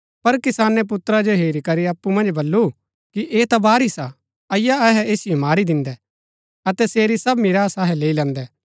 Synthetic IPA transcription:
pɐɾkɪsaːnɛp̬ʊt̪ɾad͡ʒoɦeːɾikɐɾiɐpːumɐ̃nd͡ʒbɐlːu | kiʔeːt̪abaːɾisa | ɐɪjaɛɦɛeːsɪjomaːɾid̪ɪ̃nd̪ɛ | ɐt̪ɛseːɾisɐbmɪɾaːsaɦɛleːilɛ̃ːnd̪ɛː

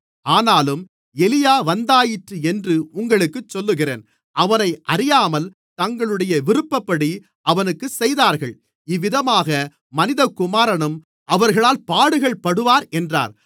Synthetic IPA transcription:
aːnaːlɯm | ɛlɪjaːʋɐnd̪aːjɪʈrɯɛndrɯʊŋɡɐɭɯkːɯt͡ʃːɔlːɯɣɪrḛːn | ʔɐʋɐnɐɪʔɐɾɪjaːmɐl | t̪ɐŋɡɐɭɯɽɐjɐʋɪɾɯpːɐpːɐɽi | ʔɐʋɐnɯkːɯsɛjðaːɾɣɐɭ | ɪʋːɪðɐmaːɣɐ | mɐnɪðɐkːʊmaːɾɐɳɯm | ʔɐʋɐɾɣɐɭaːlpaːɽɯɣɐɭpɐɽɯʋaːɾɛndra̰ːɾ

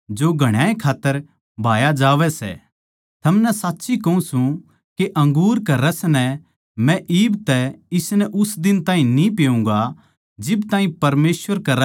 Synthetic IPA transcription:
d͡ʒoːɡʱɐɽ̃aːẽkʰaːt̪ːəɾ | bʱaːjad͡ʒaːʋɛsɛ̰ | t̪ʰɐmnɛsaːtːʃikɐũsũ | keʔɐ̃ŋɡuːɾkɐɾɐsnɛ | mɛ̃ʔiːbt̪ɛɪsnɛʔʊsd̪ɪnt̪aːɦĩnĩpejũːŋ̆ɡa | d͡ʒɪbt̪ãːɦĩpɐɾmeːsʋəɾkɐɾ

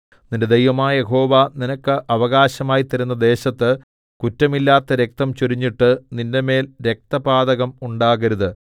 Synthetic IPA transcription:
ninde̞d̪ejʋɐmaːjɐje̞ɦo̞ːʋaninɐkːɨʔɐʋɐɣaːɕɐmaːjit̪ːɐɾunːɐd̪e̞ːɕɐt̪ːɨ | kutːɐmilːaːt̪ːɐɾe̞k̚t̪ɐmt͡ɕuɾiɲːiʈːɨninde̞me̞ːlɾe̞k̚t̪ɐbaːd̪ɐɣɐmuɳɖaːɣɐɾuðɨ

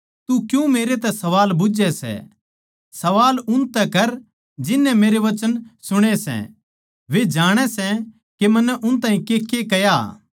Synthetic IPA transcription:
t̪ukjũmeːɾet̪ɛsɐʋaːlbʊd͡ʒɛsɛ̰ | sɐʋaːlʊnt̪ɛkɐɾ | d͡ʒɪnːɛ̃meːɾeʋɐt͡ʃənsʊɽ̃esɛ̰ | ʋed͡ʒaːɽ̃ɛsɛ | kemɐnːɛʔʊnt̪aːĩkekekɛja̰

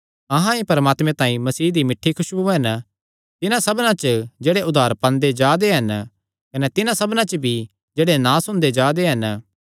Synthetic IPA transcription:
ɐɦãipɐɾmaːt̪mẽt̪ãːĩmɐsiːd̪imɪʈʰːikʰʊʃbuɦɐn | t̪ɪnãsɐbnãt͡ʃəd͡ʒeːɽeʔʊd̪ʱaːɾpɐ̃nd̪ed͡ʒaːd̪eɦɐn | kɐnɛt̪ɪnãsɐbnãt͡ʃəbʱi | d͡ʒeːɽenãːsʊ̃ñd̪ed͡ʒaːd̪eɦɐn

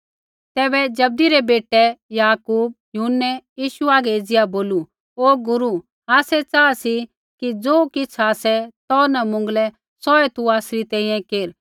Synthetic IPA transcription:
t̪ɛːbɛd͡ʒɐb̚d̪iɾɛbeːʈɛjaːkuːb̚jʊɦʊnːɛjiːʃuaːɡɛeːd͡zɪjaboːlu | oːɡʊɾu | aːsɛt͡saːasi | kid͡zoːkɪt͡sʰaːsɛt̪ɔːnɐmʊ̃ŋ̆ɡlɛ | sɔɛt̪uaːsɾit̪ɛ̃ːĩjɛ̃keːɾ

